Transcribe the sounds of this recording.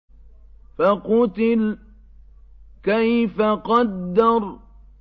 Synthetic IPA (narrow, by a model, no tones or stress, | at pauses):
faqʊt̪ɪl | kajfaqɑd̪ːɑɾˤ